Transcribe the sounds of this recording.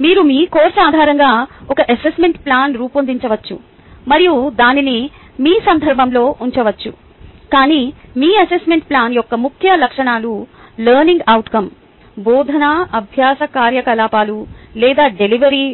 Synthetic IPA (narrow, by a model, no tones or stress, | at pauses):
miːɾumiːkoːɾsaːd̪ʱaːɾɐŋɡaːɔkɐʔɐsesmeɳʈplaːnɾuːpond̪iɲt͡ʃɐʋɐt͡ʃːṵ | mɐɾijud̪aːnini | miːsɐnd̪ʱɐɾbʱɐmlo̞ːʔuɲt͡ʃɐʋɐt͡ʃːṵ | kaːniːmiːɐsesmeɳʈ̚plaːnjɔkːɐmukʰjɐlɐkʂɐɳaːlulɐːɾniŋɡɐwʈkɐm | bɔːd̪ʱɐnaɐbʱjaːsɐkaːɾjɐkɐlaːpaːlulɛːd̪aːɖeliʋɐɾi